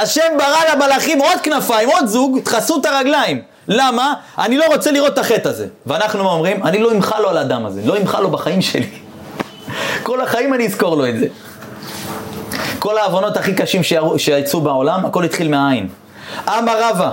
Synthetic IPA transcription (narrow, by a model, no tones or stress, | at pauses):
aʃe̞mbaʁalabalaχimo̞d̪̚knafaimo̞d̪zuɡt̪χasut̪aʁaɡlaim | lama | ʔanilo̞ʁo̞t͡se̞liʁo̞t̪ːaχe̞t̪aze̞̰veanaχnuomʁimanilo̞imχalo̞alaːd̪amaze̞̰lo̞imχalo̞baχaimʃe̞̰li | ko̞laχaimaniːzko̞ʁlo̞etze | ko̞laːvono̞t̪aχikaʃimʃeuʃeajt͡subeo̞lamako̞lit̪χilmeaain | ʔamaʁava